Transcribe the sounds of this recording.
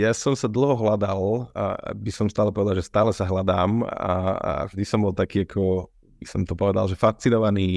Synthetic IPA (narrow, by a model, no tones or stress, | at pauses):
jaːsɔmsad̪l̩ˠɦɔɦlad̪al̰ | bisɔmst̪aːlɛpɔʋɛd̪aʒɛst̪aːlɛsaɦlad̪aːma̰ʒd̪isɔmbɔlˠt̪akiːakʰɔ | bisɔmt̪ɔpɔʋɛd̪a̰lʒɛfast͡sinɔʋaniː